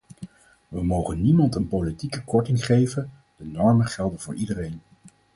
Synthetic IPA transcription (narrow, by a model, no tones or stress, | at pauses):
ʋəmowχənːimɑntənpowlitikəkɔɹtɪŋχejvən | d̥ənɔɹmənχɛlˠdənvʊːɹʔidərejn